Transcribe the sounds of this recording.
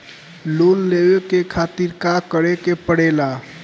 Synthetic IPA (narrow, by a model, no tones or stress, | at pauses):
lonlebekekʰat̪iɾkakəɾekepəɽela